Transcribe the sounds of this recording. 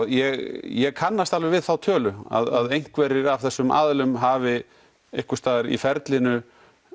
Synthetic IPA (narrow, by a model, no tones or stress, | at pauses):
jɛɣjɛɣkʰanːast̪alvɛɾvɪðθawt̪ʰœːlʏa̰ðaðejŋ̥kvɛɾɪɾavθɛsːʏma̰ːðlʏmɦaːvɪ | ehkʏst̪aːðaɾḭfɛɾt̪lɪnʏ